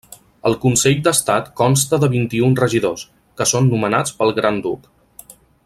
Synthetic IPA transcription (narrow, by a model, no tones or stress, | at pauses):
əlˠkunseʎd̪əst̪at̪kɔnst̪əðəβint̪iunrəʒiðos | kəsonːumənat͡spəlˠɣɾand̪uk